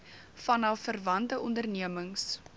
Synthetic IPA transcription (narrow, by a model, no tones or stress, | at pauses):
fɐnɐfərvɐntəʔɔndərniəməŋs